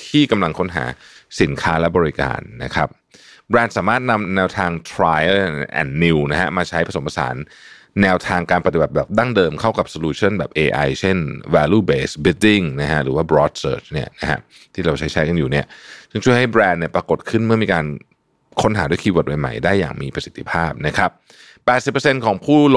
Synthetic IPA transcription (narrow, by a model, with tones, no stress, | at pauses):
t̪ʰiː˥˩ka˧mla˧ŋkʰo˦˥nɦa̰ː˩˦si˨˩˦nkʰaː˦˥lɛ˦˥bɔː˧ɾi˦ka̰ː˧nːa̰˦˥kʰɾa˦˥p̚ | bɾɛː˧nsaː˩˦maː˥˩t̪̚na˧mnɛː˧wt̪ʰaː˧ŋt̪ʰɾaː˧jə˥˩ʔɛ̰ː˨˩nːi˧wna˦˥ha̰˦˥maː˧t͡ɕʰa˦˥jpʰa˧so˩˦mpʰa˧sa̰ː˩˦nː | ɛː˧wt̪ʰaː˧ŋkaː˧npa˧t̪i˨ba˨˩t̚bɛː˨˩p̚da˥˩ŋdɤː˧mkʰa˥˩wka˨˩p̚soː˧luː˧t͡ɕʰo˥˩nbɛː˨˩p̚ʔeː˧ʔa̰˧jt͡ɕʰe˥˩nwɛː˧luː˥˩beː˦sbi˦ldi˥˩ŋna˦˥kʰa˦˥ʔɾɯː˩˦waː˥˩bɾɔː˦˥t̪̚sɤː˥˩t͡ɕʰni˥˩ɐna˦˥kʰa̰˦˥ | t̪ʰiː˥˩ɾa˧wt͡ɕʰa˦˥jt͡ɕʰa˦˥jka˧njuː˨˩ni˥˩ɐsɯ˥˩ŋt͡ɕʰu˥˩əjha˥˩jbɾɛː˧nːi˥˩ɐpɾa˧ko˨˩t̪̚kʰɯ˥˩nmɯ˥˩miː˧kaː˧n | kʰo˦˥nɦaː˩˦du˥˩˨jkʰiː˧wo˨˩t̪̚wa˧jma̰˨˩jdaː˥˩jːa̰ː˨˩ŋmiː˧pɾa˧si˨˩t̪ʰːi˦˥pʰaː˥˩p̚na˦˥kʰɾa˦˥p̚ː | ɛː˨t̪̚si˨˩pːaə˧se˧nkʰɔː˩˦ŋpʰuː˥˩